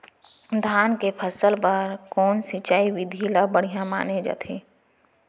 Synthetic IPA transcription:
d̪ʱaːnkepʰəsəlpəɾkɔːnsɪt͡ʃaːiʋɪd̪ʱilabəɽ̤ijãma̰ːned͡ʒa̰ːt̪ʰeː

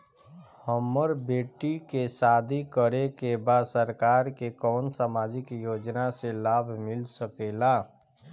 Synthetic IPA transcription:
həmːəɾbeːʈːikesad̪ʱikəɾekebad̪səɾkaːɾkekɔːnsaːmaːd͡ʒɪkjoːd͡ʒnaselaːbʱmɪlsəkela

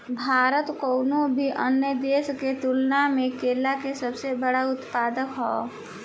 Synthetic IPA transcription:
bʱaːɾət̪kɔʊnobʱiʔənjəd̪eːsket̪ulnamẽkeːlakesəbsebəɽaʊt̪paːd̪əkɦɔ̰ː

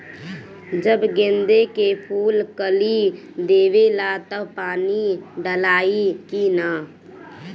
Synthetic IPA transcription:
d͡ʒəbɡẽnd̪ekepʰuːlkəli | d̪eːʋelat̪əpaːniɖəlaːikina

